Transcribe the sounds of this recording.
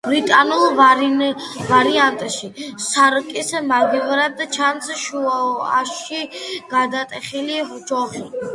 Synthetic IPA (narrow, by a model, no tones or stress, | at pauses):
b̥ɾit̪ʼanulˠvaɾvaɾiant̪ʼʃisaɾkʼismaɡivɾad̪t͡ʃʰansʃuaa̰ʃiɡ̥ad̪at̪ʼɛχilihd͡ʒɔʁi